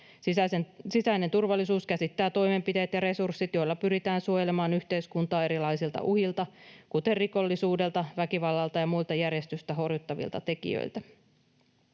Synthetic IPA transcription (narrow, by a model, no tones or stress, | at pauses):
æsesisæine̞nt̪urʋɑlːisuːskæsit̪ːæːt̪o̞jme̞mpit̪e̞ːt̪jɑɾe̞sursːit̪jo̞jlːɑpyɾit̪æːnsuojelemɑːnyçt̪e̞iskunt̪ɑːe̞ɾilɑjsilt̪ɑ̰ʔuhilt̪ɑkut̪e̞rriko̞lːisuːde̞lt̪ɑʋækiʋɑlːɑlt̪ɑjɑmuilt̪ɑjæɾje̞st̪yst̪æɦo̞rjut̪ːɑʋḭlt̪ɑt̪e̞kḭjø̰ilt̪æ